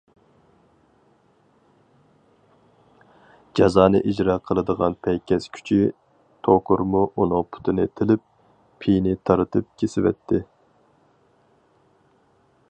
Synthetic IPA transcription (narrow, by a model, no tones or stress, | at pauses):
d͡ʒɑzɑːnɨ̰ʔid͡ʒɾɑːqʰəlˠɨd̪əʁɑnpʰɛjkʲʰɛskʲʰy̥t͡ʃʰi | t̪ʰokʰʊɾmuʔunɨŋpʰu̥t̪ʰɨnɨt̪ʰɪlɪp̚ːʰ | ijnɪt̪ʰɑɾɨt̪ʰɨp̚kʲʰesɪwɛ̰t̪ʰːɪ